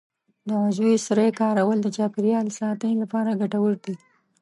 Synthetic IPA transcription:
d̪əazwesɾejkɑɾawəld̪ət͡ʃɑpɪɾijɑlsɑt̪ənilapɑɾaɡaʈawəɾd̪i

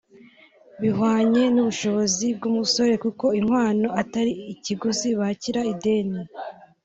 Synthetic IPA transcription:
βiɦwaːɲe̞nuβuʃo̞βo̞zib̚ɡumuso̞ɾe̞kuko̞iŋ̥hwaːno̞ataɾiiciɡuziβaciɾaide̞ːni

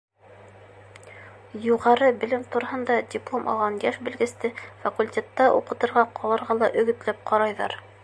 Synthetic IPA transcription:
juʁɑɾɤbɘ̆lɘmt̪uɾɤ̆hɤ̆nd̪ɑdʲɪplˠomʔɒ̰lˠʁɑnjæʃbɘ̆lɡɘ̆st̪ɘfɐkulʲtʲet̪ːɑʔuqɤ̆t̪ɤ̆ɾʁɑqʰɒlˠɤ̆ɾʁɑlˠɑʔɵ̆ɡɵ̆t̪læp̚qʰɒɾɑjðɑ̰ɾ

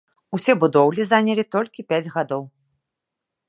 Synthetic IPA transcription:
usʲɛbud̪ɔwlʲizanʲɐlʲit̪ɔlʲkʲipʲad͡zʲɣad̪ɔw

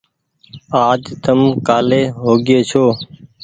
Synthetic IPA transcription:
aːd͡ʒt̪əmkaːleːɦoːɡeːt͡ʃʰoː

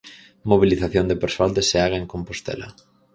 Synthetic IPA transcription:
moβ̞iliθaθjond̪epeɾsoald̪eseaɣaeŋkompost̪ɛ̰lɐ̰

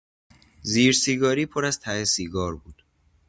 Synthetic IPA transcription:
ziːɾsiːɡɒːɾiːpʰoɾæzt̪ʰæhesiːɡɒːɾbuːd̪̥

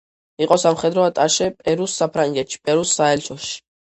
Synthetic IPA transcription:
iqʼɔsamχɛd̪ɾɔat̪ʼaʃɛpʼɛɾusːapʰɾaŋɡɛt̪ʃi̥pʼɛɾusːaɦɛlt͡ʃʰɔʃi̥

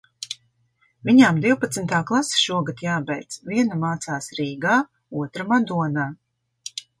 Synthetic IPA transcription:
vʲiɲamd̪iwpat̪snt̪aːklˠasʃuɔɡat̪jaːbɛjt̪svʲiɛnamaːt̪saːsɾiːɡaː | uɔt̪ɾamad̪uɔnaː

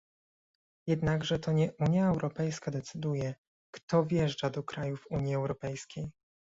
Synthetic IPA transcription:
jɛd̪naɡʐɛt̪ɔɲɛʔuɲjaɛwɾʔɔpɛjskad̪ɛt̪sɘd̪ujɛ | kt̪ɔvʲjɛʐd͡ʐad̪ɔkɾajuvuɲjiɛwɾɔpɛjskʲej

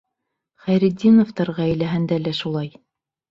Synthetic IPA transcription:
χæjɾid̪ʲːinŏft̪ɑɾʁɑæjlæɦænd̪ælæʃulˠɑj

